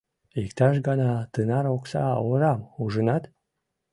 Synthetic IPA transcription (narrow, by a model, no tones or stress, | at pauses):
ikt̪ɑʃ̬ɡɑnɑt̪ɨnɑɾoksɑ̰oɾɑmuʒənɑt̪